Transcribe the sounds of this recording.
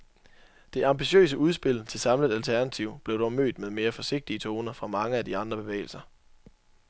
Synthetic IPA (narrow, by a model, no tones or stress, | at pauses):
d̥e̝ʔɑ̈mb̥iɕø̰ːs̬əuð̞ˠsb̥e̝l̰t͡sʰe̝lsɑ̈mləð̩ˠælt͡sʰæɐnæt͡sʰiʊ̰b̥le̝ʊdɒmø̰ːd̥meðˠme̝ːɐfɒ̽se̝ɡ̥̚d̥iət͡sʰo̝ːnɐfʁɑ̈mɑ̈ŋəæd̥iɑ̈nd̥ʁɐb̥e̝ʋḛːɪl̩sɐ